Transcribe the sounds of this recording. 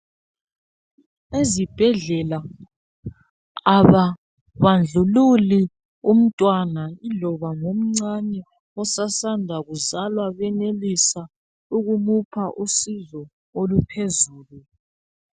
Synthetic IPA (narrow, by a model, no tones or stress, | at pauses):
ezib̥ʱɛɮɛla | aβa | βand͡ɮʱululi | um̩tʼwanailɔβaŋom̩ŋ͡ǀanɛ | ɔsasandʱaɣuzalwaβɛnelisa | uɣumupʰaʔusizɔ | olupʰezuːlu